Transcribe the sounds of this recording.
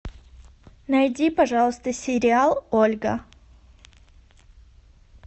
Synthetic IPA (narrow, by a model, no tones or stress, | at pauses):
nɐjdʲipɐʐɑlˠəst̪əsʲɪɾʲɪalˠolʲɡə̰